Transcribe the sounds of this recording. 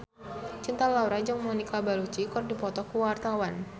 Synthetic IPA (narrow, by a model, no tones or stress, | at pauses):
t͡ʃint̪alauɾad͡ʒaŋmɔnikabalut͡ʃikɔrdipɔt̪ɔkuwart̪awan